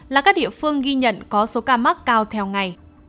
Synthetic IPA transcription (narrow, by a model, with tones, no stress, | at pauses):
laː˨˩kaː˦˥k̚ɗḭ˧˨əfɨ˧əŋɣi˧ɲə̰˧˨nkɔ˨˦so˨˦kaː˧ma˦˥k̚kaː˧wt̪ʰɛ˧wŋa˨˩j